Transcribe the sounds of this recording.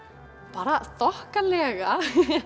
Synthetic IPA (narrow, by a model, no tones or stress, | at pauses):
paːɾaθɔhkalɛːɣa